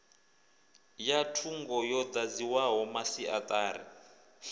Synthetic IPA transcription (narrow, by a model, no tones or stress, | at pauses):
jatʰuŋɡɔjɔd͡z̪ad͡ziwaɦɔmasiʔat̪ʼaːɾḭ